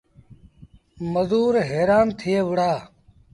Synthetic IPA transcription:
məzuːɾɦeːɾaːnt̪ʰɪeːʋʊɽaː

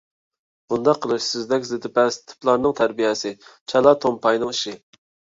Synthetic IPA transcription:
b̥und̪ɑqʰːəlˠɨʃsɪzd̪ɛkʲzɪt̪ʰɪpɛst̪ʰɪ̥plˠɑɾnɨŋt̪ʰæɾbijɛsɪt͡ʃʰɑlˠɑt̪ʰompʰɑjnɨŋiʃɪ

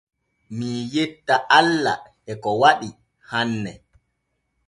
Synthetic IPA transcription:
mijetːaʔalːa̰ | ɛkɔwaɗi | hanːɛ

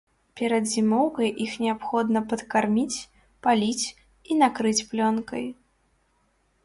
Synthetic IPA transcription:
pʲɛɾɐd̪zʲimɔwkɐjʔixnʲɛapxɔd̪nɐpɐt̪karmʲit͡sʲ | palʲit͡sʲ | inakɾɨt͡sʲplʲɔnkɐ̰j

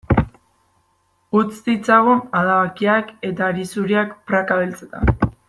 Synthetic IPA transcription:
ut͡sd̪it͡saɣunaðaβakiake̞t̪aɾisuɾiakpɾakaβelt͡set̪a̰

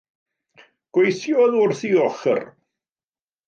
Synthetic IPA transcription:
ɡ̥wejθjɔðurθiɔχə̰r

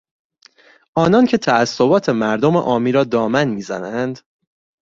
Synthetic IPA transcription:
ʔɒːnɒːncʰe̞t̪ʰææsːobɒːt̪ʰe̞mæɾd̪o̞mḛʔɒːmiːɾɒːd̪ɒːmænmiːzæ̰nænd̪̥

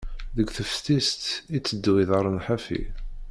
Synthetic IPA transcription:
ðəɡθəfst̪ist̪it͡sːəd̪ːwiðəɾˤənħæfḭ

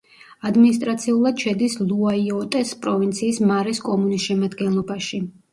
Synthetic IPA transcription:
ad̪minist̪ʼɾat̪sʰiulˠad̪̥ʃɛd̪islˠuaiɔt̪ʼɛspʼɾɔvint̪sʰiːsmaɾɛskʼɔmunisʃɛmad̪ɡɛnlˠɔbaʃi

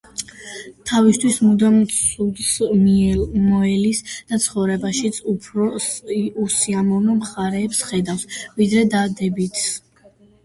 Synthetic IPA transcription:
t̪ʰavist̪ʰwismud̪amsud̪s | mɔɛlisd̪̥at̪sʰχɔvɾɛbaʃit̪sʰupʰɾɔ | usiamɔvnɔmχaɾɛːpsχɛd̪afsvid̪ɾɛd̪ad̪ɛbit̪ʰs

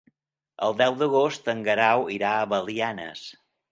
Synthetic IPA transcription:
ə̰lˠd̪ɛwd̪əɣ̞ost̪əŋɡəɾawiɾaəβəlianə̰s

